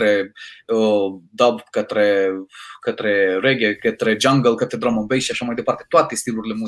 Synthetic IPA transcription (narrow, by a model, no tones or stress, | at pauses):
ɾɛɔd̪abkat̪ɾɛ | kat̪ɾɛɾɛɡɛkat̪ɾɛd͡ʒaŋɡəlˠkat̪ɛd̪ɾɔmɔmbɛʃaʃɔmajd̪ɛpaɾt̪ɛt̪uat̪ist̪ilˠuɾlɛmu